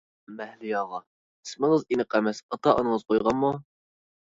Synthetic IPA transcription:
mɛhlɪjɑːʁɑ | ismɨɴəzinɨqʰɛmɛsɑt̪ɑʔo̰nɨŋəz̥qʰojʁɑnmu

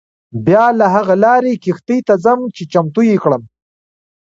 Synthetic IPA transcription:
bjɑlaɦaɣalɑːɾekixt̪əjt̪azəmt͡ʃet͡ʃamt̪ujikɽəm

